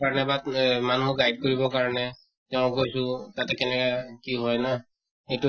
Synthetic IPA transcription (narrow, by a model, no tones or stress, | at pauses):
aɹɔnɛbamanmʊɡajd̚koɹibɔkaɹɔnɛ | tɛʊ̃kojsʊ̃tatɛkɛnɛkakiɦɔjna | etu